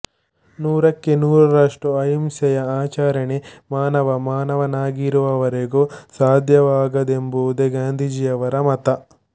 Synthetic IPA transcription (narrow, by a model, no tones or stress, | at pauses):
nuːɾɐkːenuːɾɐɾaːʂʈuɐjɐmsɐjɐaːt͡ʃaːɾɐɳemaːnɐʋɐmaːnɐʋɐnaːɡiɾuʋɐʋɐɾeɡosaːd̪ʱjɐʋaːɡɐd̪embud̪eɡaːnd̪ʱid͡ʒijɐʋɐɾɐmɐt̪ɐ